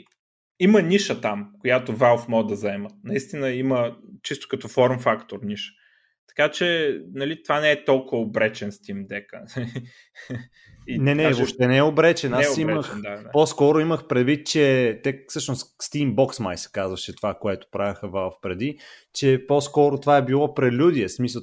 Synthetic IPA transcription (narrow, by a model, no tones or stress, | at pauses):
imənʲiʃət̪amkojat̪ovalˠfmɔd̪ɐzɛmənɐist̪inəimət͡ʃist̪o̥kɐt̪ɔfɔɾmfakt̪oɾniʃə̥ | t̪ɐ̥kat͡ʃɛnɐlit̪ovanɛɛt̪ɔlˠkʊvəobɾɛt͡ʃɛnst̪imd̪ɛkə̰ | inɛnɛvoʃt̪ɛnɛɛobɾɛt͡ʃɛnasimməxapɔskɔɾʊiməxpɾɛd̪vit̪̚t͡ʃɛt̪ɛfsɤʃnosst̪imbɔksmajsɛ̥kazvəʃɛt̪ovakoɛt̪ʊ̥pɾavʲəxəvalˠfpɾɛd̪it͡ʃɛpɔskɔɾot̪ovaɛbilˠɔpɾɛlʲud̪iɛsmisə